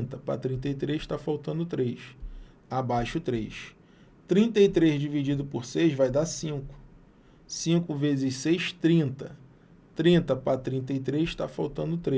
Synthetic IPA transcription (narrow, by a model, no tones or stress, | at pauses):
t̪ɐpɾa̰t̪ɾĩnt̪ɐjt̪ɾezʃt̪afawt̪ɐ̃nd̪ʊt̪ɾejʃ | abajʃʊt̪ɾejʃ | t̪ɾĩnt̪ɐit̪ɾezd͡ʒivid͡ʒid̪ʊpoɾsejʃvajd̪asĩŋkʊ̥ | sĩŋkʊvezɪssejʃt̪ɾĩnt̪ɐ | t̪ɾĩnt̪ɐpɾat̪ɾĩnt̪̬ɐit̪ɾezʃt̪afawt̪ɐ̃nd̪ʊt̪ɾe